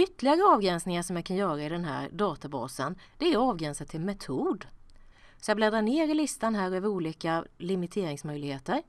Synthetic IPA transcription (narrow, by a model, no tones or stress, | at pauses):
ʏt̪ːəlɪɡaɾəɑːvɡɾɛnsnɪŋaʂɔmjakʰanjœːɾaɪd̪ɛnɦæ̰ːɾɖɑːt̪abɑ̰ːsənd̪̥ɛæɾɑːvɡɾɛnsat̪ʰːɪlmɛt̪ʰuːd̪ | sɔjablɛːd̪aɳeːɾɪlɪst̪anɦæːɾœːvəɾuːliːkalɪmɪt̪ʰeːɾɪŋsmœjlɪɡheːt̪əɾ